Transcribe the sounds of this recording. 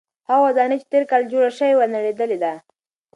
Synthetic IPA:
hawazɑnat͡ʃe̥t̪eɾkɑld͡ʒoɽaʃəwewanaɽed̪əled̪a

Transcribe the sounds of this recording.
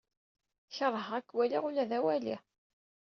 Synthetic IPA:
çəɾˤːəɦækːwæliʁulæðæwæli

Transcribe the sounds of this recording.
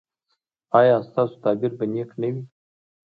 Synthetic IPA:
ɑjɑst̪ɑso̥t̪ɑbɪɾbaneknawi

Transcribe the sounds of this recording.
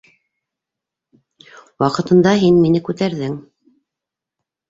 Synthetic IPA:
wɑqɤ̆t̪ɤ̆nd̪ɑɦinminɘkʉt̪æɾðɘŋ

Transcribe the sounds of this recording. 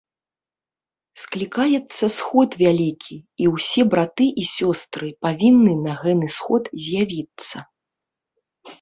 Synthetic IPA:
sklʲikajɛt̪sːɐsxɔt̪vʲalʲikʲʰiiwsʲɛbɾat̪ɨʔisʲɔst̪ɾɨpavʲinːɨnɐɣɛnɨsxɔt̪zʲjavʲit̪sːɐ

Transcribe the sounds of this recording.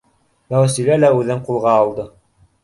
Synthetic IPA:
mæwæsilælæʉðɘɴqulˠʁɑːlˠd̪ɤ

